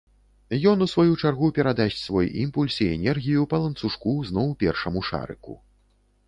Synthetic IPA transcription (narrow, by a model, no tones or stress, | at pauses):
jɔnusvajut͡ʂarɣupʲɛɾad̪asʲt͡sʲsvɔjḭmpulʲsiɛnʲɛrɣʲijupɐlˠɐnt̪suʂkuznɔwpʲɛrʂɐmuʂa̰ɾɨ̰kṵ